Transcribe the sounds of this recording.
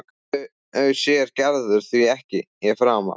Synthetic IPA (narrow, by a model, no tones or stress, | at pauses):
œɥsjɛɾ̥cɛɾðʏɾ̥θviɛhcɪjɛfɾaːma̰